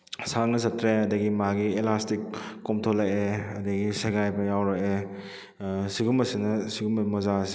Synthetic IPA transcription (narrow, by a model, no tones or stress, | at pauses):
saŋnɐsɐtɾeɐdɐɡimaɡielastikːomtʰolɐkeɐdɐɡiseɡajbɐjawɾake | siɡumɐsinɐsiɡumɐmɔzasi̥